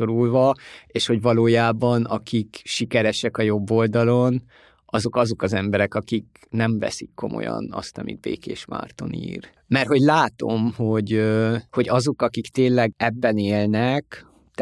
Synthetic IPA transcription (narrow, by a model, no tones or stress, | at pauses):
o̞ɾulvɒeːʃho̞ɟvɒloːjaːbɒnɒkʰikʃikɛɾɛʃɛkɒjo̞bːo̞ld̪ɒlo̞n | ɒzo̞kɒzo̞kɒzɛmbɛɾɛkɒkik̚ | nɛɱvɛ̰sikːo̞̰mo̰jɒ̰nɒ̰st̪ɒmḭd̪̚bḛːkeːʃma̰ːrt̪o̞̰nḭːr | mɛrt̪ho̞ɟlaːt̪o̞mho̞ɟøho̞ɟɒzo̞kɒkikt̪eːnlɛɡɛbːɛneːlnɛk | t̪